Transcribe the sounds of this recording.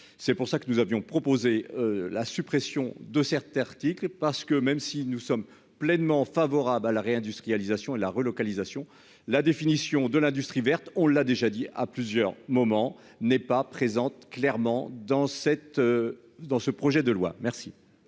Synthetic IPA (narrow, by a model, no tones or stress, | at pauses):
sɛpuʁsakənuzavjɔ̃pχɔpozeølasypχesjɔ̃d̪əsɛʁt̪aʁt̪iklpaʁsə̥kəmɛmsinusɔm | plɛnmɑ̃favɔʁablalaʁeɛ̃d̪yst̪χijalizasjɔ̃elaʁəlɔkalizasjɔ̃ | lad̪efinisjɔ̃d̪əlɛ̃d̪yst̪χivɛʁt̪ɔ̃ləːad̪eʒad̪iʔa̰plyzjœʁmɔmɑ̃ | nɛpapχezɑ̃t̪klɛʁmɑ̃d̪ɑ̃sɛt̪ | d̪ɑ̃səpχɔʒɛd̪əlwa̰mɛʁsi